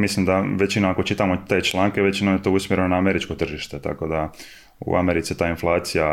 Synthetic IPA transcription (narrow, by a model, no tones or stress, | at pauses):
mislimd̪aʋet͡ʃinoakot͡ʃit̪aːmo̞t̪e̞ːt͡ʃlˠaːŋkeʋe̞t͡ʃinomje̞t̪o̞ːusmjeɾe̞nonaːme̞ɾit͡ʃko̞t̪r̩ʒiʃt̪e̞t̪a̰ko̞d̪a | ṵameɾit̪sit̪aːinflˠaːt̪sija